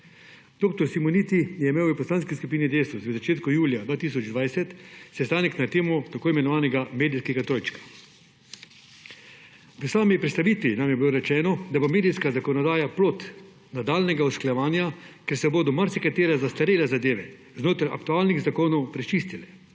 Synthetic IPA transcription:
d̪̥oːk̚t̪ɔɾsimɔnit̪ijɛimeːwipɔslanskiskupiːnid̪ejst̪uʋəzat͡ʃeːt̪kujuːljad̪vʋaːt̪is̬ɔd͡ʒd̪ʋajsɛt̪sɛst̪aːnɛknat̪eːmɔt̪akoːimɛnɔʋaːnɛɡameːd̪ijskɛɡat̪ɾoːjt͡ʃkḁ | ʋəsaːmipɾɛt̪st̪aʋiːt̪ʋinamjɛbiloɾɛt͡ʃɛːnɔd̪abomeːd̪ijskazakɔnɔd̪aːjaplot̪ | nad̪aːlnɛɡaɔsklajɛʋaːnjakɛɾsɛboːd̪ɔmaɾsɛkat̪eːɾazast̪aɾeːlɛzad̪eːʋɛ | znoːt̪ɾaja̰kt̪uaːlniɣzakoːnɔwpɾɛt͡ʃiːst̪ilɛ

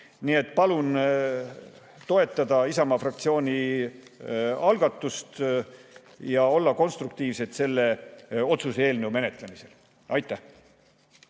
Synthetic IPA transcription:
niːe̞t̪ːˑpɑlun | t̪o̞e̞t̪ːˑɑd̪̥ɑisɑmɑfrɑk̚t̪sio̞ːnʲi | ɑlɡ̥ɑt̪ːˑust̪ | jɑo̞lːɑko̞nst̪ruk̚t̪iːvse̞t̪se̞lːe̞o̞t̪susee̞ːlnəwme̞ne̞t̪le̞mise̞l | ɑjt̪ːˑæh

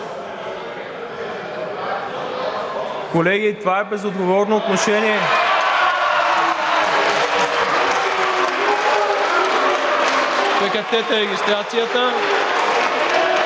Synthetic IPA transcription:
kolɛɡit̪ovaɛbɛzod̪ɡovɔɾnoːt̪noʃɛniɛ | pɛkɐt̪ɛt̪əɾɛɡʲist̪ɾat̪sijət̪ə

